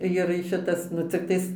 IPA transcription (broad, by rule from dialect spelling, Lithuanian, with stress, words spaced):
jɪr ˈʃʲɪtɐs nʊ t͡sʲɪkˈtɐɪs